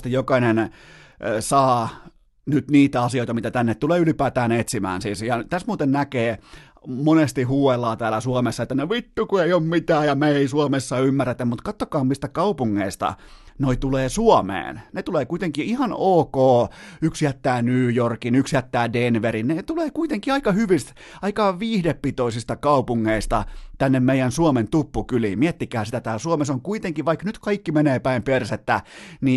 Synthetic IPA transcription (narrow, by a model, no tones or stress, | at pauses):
t̪jokɑinen | sɑː | nyt̪niːt̪æɑsioˑit̪ɑmit̪æt̪ænːet̪t̪uleːylipæːt̪æːnet̪simæ̰ːnsiːsjɑt̪æsmuːt̪ennækeː | monest̪ihuːʋelːɑːt̪æːlæsuɑmesːɑet̪ːænoʋit̪ːukuejommit̪æːjɑmeeisuomesːɑymːæret̪æmmut̪kɑt̪ːokɑːmmist̪ækɑupuŋːeist̪ɑ̰noit̪uleːsuɑmḛːnnet̪uleːkuit̪eŋkiihɑnoːkoːyksjæt̪ːæːnyːjorkinyksjæt̪ːæːdenʋerinnet̪uleːkuit̪eŋkiɑikɑhyʋist̪ | ɑikɑʋiːhdepːit̪oisist̪ɑkɑupuŋːeist̪ɑ̰t̪ænːemmeijænsuoment̪upːukylḭmiet̪ːikæːsit̪æt̪æːsuomesoŋkuit̪eŋkiʋɑiknyt̪kɑikːimeneːpæimperset̪ːæni